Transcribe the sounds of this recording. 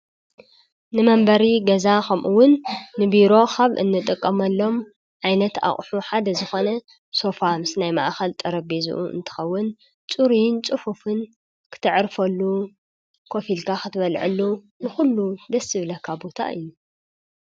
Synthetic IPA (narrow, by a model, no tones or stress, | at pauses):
nɨmɐmbɐɾiɡɐzakʰɐmʔuwʊnːɨbiɾo̞kʰaβʔɨ̰nːɨt̪ʼɨkʼːɐmɐlːo̞m | ʕajnɐt̪a̰χʼħuħad̪ɐzɨxo̞nɐ | so̞famɨsɨnajma̰ʔxɐlt̪ʼɐɾɐbezṵʔṵɨ̰nt̪ʰɨ̥xɐwːʊn | t͡sʼuɾint͡sʼɨħufɨn | kʰɨ̥t̪ʰɨʕɾfɐlːu | kʰo̞filkʰakɨt̪ʰɨβɐlʕɨ̰lːu | nɨxulːud̪ɐsɨβlɐkʰːabo̞t̪ʰa̰ʔɨ̰jːu